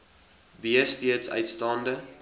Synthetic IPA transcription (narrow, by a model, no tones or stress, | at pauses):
biəstiətsœ̰ɥtstɑːndə